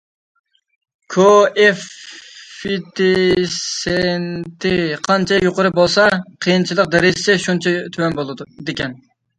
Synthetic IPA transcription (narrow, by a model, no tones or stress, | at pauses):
kʰoɛf | it̪ʰesent̪ʰɪqʰɑnt͡ʃʰɛjoqʊɾɨbolˠsɑqʰəjint͡ʃʰilˠəq̚d̪ɛɾɪzɪ̥sɛʃunt͡ʃʰɛt̪ʰywɛnbolˠɨd̪d̪ekʲɛn